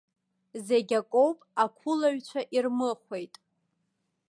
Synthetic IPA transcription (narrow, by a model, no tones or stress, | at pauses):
zeɡʲakʷʼo̞wpʼakʷʰʊlaɥt͡ɕʷʰaʔirmɨχʷe̞jtʼ